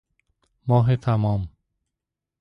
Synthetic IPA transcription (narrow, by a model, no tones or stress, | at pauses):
mɒːɦet̪ʰamɒːm